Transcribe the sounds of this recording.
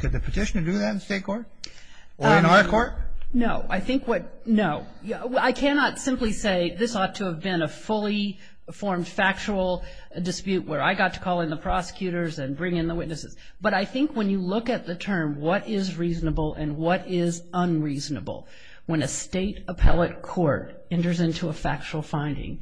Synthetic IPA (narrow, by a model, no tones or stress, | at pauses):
kʰɨd̪̚ðɨpʰɨtʰɪʃnə˞dɨðæɾ̃nsteɪt̚kʰɔɹt̚ | ɨ̃nɑɹkʰɔɹt̚noʊʔa̰ɪθɪ̃ŋkwʌt̚noʊ | aɪkʰænɑtsɪ̃mpliseɪðɪsɔtʰɨːvbɪ̃nəfʊlˠi | fɔɹmd̥fæk̚t͡ʃəl̩ˠ | dɨspjʉʔ̚wə˞aɪɡɑtʰə̥kʰɔlˠɨ̃nðəpʰɹ̥ɑsə̥kʰj̥ʉɾə˞zɨ̃nbɹɪ̃ŋɨ̃nðəwɪtⁿnɨsɨz̥ | b̥ʌɾaɪθɪ̃ŋkwə̃njɨlʊkɨt̪̚ðɨtʰɜ̃˞mwʌɾɪzɹiznəbl̩ˠɨ̃nwʌɾɪzə̃nɹiznə̰bl̩ˠ | wɨ̃nɨsteɪɾəpʰɛ̰lˠət̚kʰɔɹɾ | ɛ̃ntə˞zɪ̃ntʰuəfæ̰k̚t͡ʃul̩ˠfãɪ̃ndɪ̰̃ŋ